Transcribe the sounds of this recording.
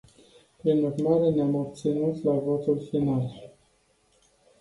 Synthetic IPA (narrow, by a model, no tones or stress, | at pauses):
pɾinurmaɾe̞neamob̚t̪sinut̪lavo̞t̪ulfinal